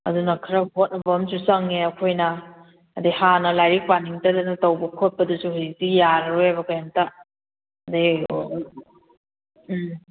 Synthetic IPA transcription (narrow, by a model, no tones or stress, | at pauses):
ɐ̰dunɐkʰɐɾɐɦot̚nɐbɐmsusaŋeɐkʰojnɐː | dihanɐlajɾik̚paniŋtɐdɐnɐtɐwbɐkʰot̚pɐdusuhujsijaɾɐɾuhajβɐkajanta | ɐdi